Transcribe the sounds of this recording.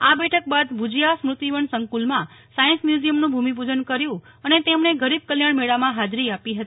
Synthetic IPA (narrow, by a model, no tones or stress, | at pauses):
abɛʈʰək̚bad̪bʱud͡ʒjasmɾʊt̪iʋəɳsəŋkulmãsajənsmjuzijəmnũbʱumipud͡ʒənkəɾjũənet̪emneɡʱəɾib̚kəljaɳmeɭamãɦad͡ʒɾiapiɦət̪i